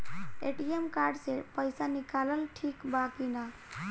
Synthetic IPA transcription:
eʈiemkaɾɖsepəjsanikaləlʈʰiːkbakina

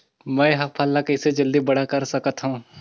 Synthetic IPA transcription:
mɛ̃ːɦɐpʰɐlːakɐɪsed͡ʒɐld̪ibɐɽakɐɾsɐkət̪ɦũː

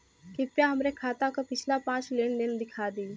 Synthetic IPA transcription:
kɪpjaɦɐmɾekʰaːt̪akapɪt͡ʃʰlapãːt͡ʃleːnlend̪ɪkʰaːd̪iː

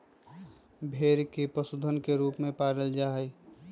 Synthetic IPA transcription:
bʱeːɾkepəsʊd̪ʱənkeɾuːpmẽpaːɾəld͡ʒaːɦ

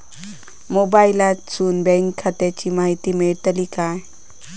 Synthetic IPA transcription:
mobailasuːnbɛŋkʰːat̪at͡ɕimaɦit̪iːmeɭt̪əliːkaj

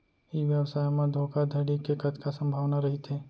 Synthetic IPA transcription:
iʋjəʋsaːjmãd̪ʱoːkad̪ʱəɽikekɐt̪kasə̃mbʱaːʋnaɾɐɦit̪ʰeː

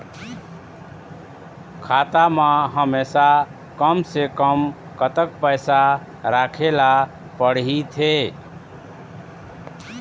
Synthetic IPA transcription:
kʰat̪amə̃ɦəmesa | kəmsekəm | kət̪ək̚pəɪsa | ɾakʰela | pəɽɦit̪ʰe

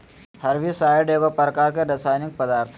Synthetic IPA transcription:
həɾbʱisaːeɖeːɡopəɾkaːɾkeɾɐsaːjnɪk̚pəd̪aːɾt̪ʰ

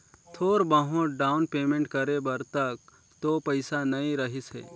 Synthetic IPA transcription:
t̪ʰoːɾbãɦõɖaːʊnpeːmẽɳʈkəɾebɐɾt̪ək̚ | t̪opəɪsanɐĩɾɐɦɪsḛː

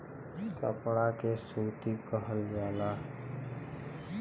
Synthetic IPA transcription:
kəpɽakesuːt̪ikəɦəljaːla

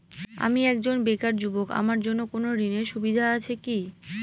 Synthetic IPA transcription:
a̰miɛk̚d͡ʑonbekaɾd͡ʑuboka̰maɾd͡ʑonːokonoɾineɾʃubid̪ʱaat͡ɕʰeki

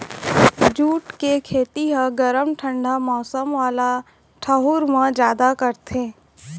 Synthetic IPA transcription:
d͡ʒuːʈkekʰeːt̪iɦaɡəɾəmʈʰə̃ɳɖʱamɔːsəmʋaːla | ʈʰaɦuɾmãd͡ʒjaːd̪akəɾt̪ẽː

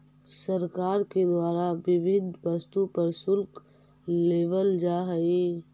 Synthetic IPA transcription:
səɾkaːɾked̪waːɾaʋɪbʱɪd̪ʱʋəst̪upəɾsʊlk | leːʋəld͡ʒaːɦəi

